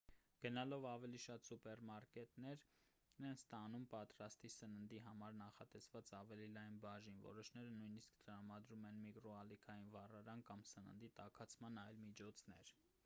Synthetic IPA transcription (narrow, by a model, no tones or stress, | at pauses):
ɡ̥ənɑlɔvɑvɛliʃɑt̪supɛɾmɑɾkɛt̪nɛɾ | nɛnst̪ɑnumpɑt̪ɾɑst̪isənənd̪iɦɑmɑɾnɑχɑt̪ɛsvɑt͡sɑvɛlilɑjnbɑʒinvɔ̰ɾɔʃnɛɾənujniskt̪əɾɑmɑd̪ɾumɛnmikɾɔɑlikʰɑjinvɑrɑɾɑnkɑmsənə̰nd̪it̪ɑkʰɑt͡sʰmɑnɑjlmit͡ʃʰɔt͡sʰnɛ̰ɾ